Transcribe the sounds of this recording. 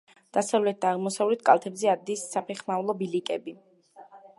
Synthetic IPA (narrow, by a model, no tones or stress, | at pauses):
d̪̥asavlɛt̪̚d̪aːʁmɔsavlɛt̪ʰkʼalˠt̪ʰɛbzɛad̪isːapʰɛχmavlˠɔbilikʼɛbi